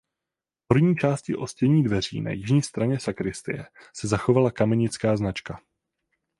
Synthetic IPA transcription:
pr̩vɲiːt͡ʃaːscɪʔo̞scɛɲiːdvɛr̝ḭːna̰jɪʒɲiːst̪ɾaɲɛsakɾɪst̪ɪ̰jɛ̰sɛzaxo̞valakamɛɲɪt͡skaːznat͡ʃka

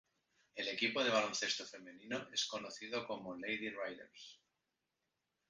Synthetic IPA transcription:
e̞le̞kipoðe̞β̞alo̞nθe̞st̪ofe̞mẽninoʔe̞sko̞noθiðoko̞mole̞jðirajðḛɾs

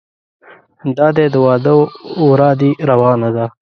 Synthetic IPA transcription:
d̪ɑːd̪ed̪əwɑːd̪əwɾɑːd̪iɾawɑːnad̪a

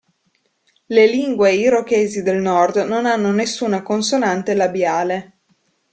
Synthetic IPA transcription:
leliŋɡweiɾokeːzid̪elnɔrd̪nonanːonesːuːnakonsonant̪elabjaːle

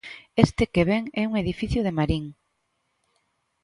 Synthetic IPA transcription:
est̪ekeβeŋɛuŋeðifiθjoð̞emaɾiŋ

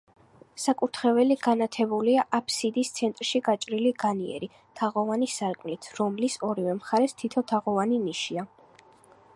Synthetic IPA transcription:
sakʼut̪ʰχɛvɛliɡanat̪ʰɛbuliaʔapʰsid̪ist̪sʰɛnt̪ʼɾʃiɡat͡ʃʼɾiliɡaniɛ̰ɾi | t̪ʰaʁɔvanisaɾkʼmlit̪ʰɾɔmlisɔɾivɛmχaɾɛst̪ʰit̪ʰɔt̪ʰaʁɔvaniniʃia

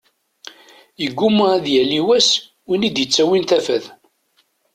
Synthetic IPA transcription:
əɡːumæðjæliwæs | winid̪jət͡sːæwinθæfæð

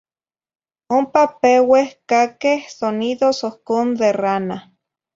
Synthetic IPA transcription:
ompapewehkakehsoniðosohkond̪erana

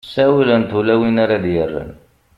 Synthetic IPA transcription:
sæwələnt̪ulæwinaɾad̪jərːə̰n

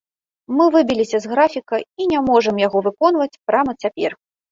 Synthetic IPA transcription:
mɨvɨbʲilʲisʲɐzɣɾafʲikɐinʲamɔʐɐmjaɣɔvɨkɔnvɐt͡sʲpɾamɐt͡sʲapʲɛr

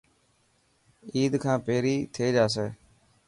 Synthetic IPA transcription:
iːd̪kʰãːpeːɾiːt̪ʰeːd͡ʒaːs̬eː

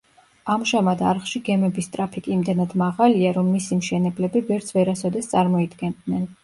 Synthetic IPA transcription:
amʒamad̪aɾχʃiɡɛmɛbist̪ʼɾapʰikʼiːmd̪ɛnad̪̥maʁaliaɾɔmːisimʃɛnɛblɛbivɛɾt̪sʰvɛɾasɔd̪ɛst̪sʼaɾmɔid̪ɡɛnd̪nɛn

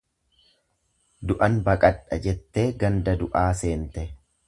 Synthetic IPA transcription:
d̪ʊʔɐnbɐkʼɐᶑːɐd͡ʒɛt̪ːe̞ːɡɐnd̪ɐd̪ʊʔaːse̞ːnt̪ɛ

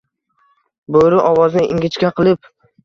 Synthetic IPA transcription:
boɾɪʔɒwɒznɪʔɪŋɡʲɪt͡ʃkʲaqʰɨlˠɪp

